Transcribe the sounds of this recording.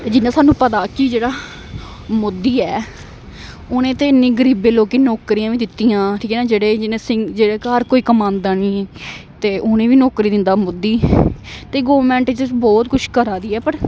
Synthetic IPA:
ed͡ʒɪnːãːsaːnːũːpət̪aːkid͡ʒeːɽaː | mʊd̪ːiːɛː | oːnẽːt̪eːɪnːiːɡəɾiːbeːloːkeːnɔːkɾiːãːʋiːd̪ɪt̪ːiːjãːʈʰiːkɛːnaːd͡ʒeːɽeːd͡ʒɪnẽːsɪ̃ŋɡd͡ʒeːɽeːkaəɾkoːiːkəmãːnd̪aːniːt̪eːʔʊnẽːʋiːnɔːkɾiːd̪ɪnd̪aːmʊd̪ːiːt̪eːɡoːʋɾmɛ̃ːɳʈt͡ʃɪbɔːt̪kʊʃʰkəɾaːd̪iːɛːpəɾ

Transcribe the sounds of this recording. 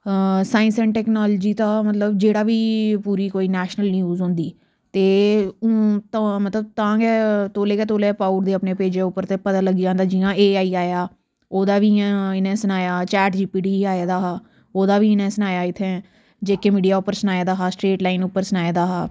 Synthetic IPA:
saːɪ̃nsənʈɛːknoːlːd͡ʒiːt̪ãːmət̪ləbd͡ʒeːɽaːʋiːpuːɾiːkoːiːnɛːʃnəlnijuːzɦʊ̃nd̪iː | t̪ẽː | t̪mət̪ləb̚t̪ãːɡɛːt̪oːleːkɛːt̪oːleːpaːuɾd̪eːəpneːpeːd͡ʒeːʊpːəɾt̪eːpət̪aːləɡiːd͡ʒãːnd̪aːd͡ʒɪːãːeːaːiːaːjaː | oːd̪aːʋiːãɪnɛ̃ːsənaːjaːt͡ʃɛːʈd͡ʒiːpiːɖiːaːeːd̪aːɦaː | oːd̪aːʋiːɪnɛ̃ːsənaːjaːɪt̪ʰːeː | d͡ʒeːkeːmiːɖijaːʊpːəɾsənaːeːd̪aːɦaːsʈɾeːʈlaːɪnʊpːəɾsənaːeːd̪aːɦaː

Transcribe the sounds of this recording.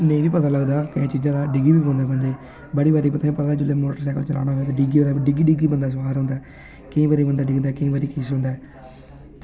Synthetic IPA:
nəĩːʋiːpət̪aːləɡd̪aːkəĩːt͡ʃiːzãːd̪aːɖɪɡɾiːbiːbənd̪aːbənd̪eː | bəɽiːbaːɾiːpət̪ʰaːĩːpət̪aːd̪ːd͡ʒɪlːeːmoːʈəɾsɛːkəlt͡ʃəla̰ːñaːɦoeaːt̪eɖɪɡɾiːaɖɪɡiːɖɪɡɾiːbənd̪aːs̬ʋaːɾɦõnd̪aː | kəĩːbaːɾiːbənd̪aːɖɪɡnd̪aːkəĩːbaːɾiːkiːsɦõnd̪aːɛ | t̪

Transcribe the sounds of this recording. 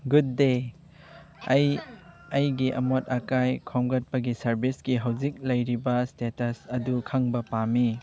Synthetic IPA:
ɡudːe | ɐj | ɐjɡiʔɐ̰mot̚ɐkajkʰomɡɐt̚pɐɡisɐɾbisɡiɦawzik̚lɐjɾibɐstetɐsɐdukʰɐŋbɐpami

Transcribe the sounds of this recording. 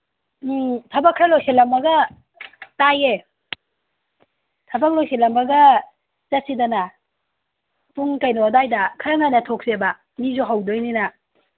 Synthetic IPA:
tʰɐbakʰːɾalojselːɐmbɐɡɐ | taje | tʰɐbak̚lojsʰelɐmbɐɡɐ | t͡ʃɐsidana | tuŋkajnodajdɐkʰɾaŋajnɐtʰok̚sebɐ | mizoɦawdojnina

